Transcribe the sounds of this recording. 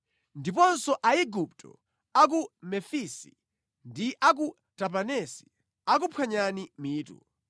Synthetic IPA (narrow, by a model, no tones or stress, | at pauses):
ndipɔnsɔʔaiɡup̚tʰɔ̰ | ak̬umɛfisi̥̰ | ndiʔak̬u | tap̬anɛsi̥ | ak̬upʰwaɲanimiːtṵ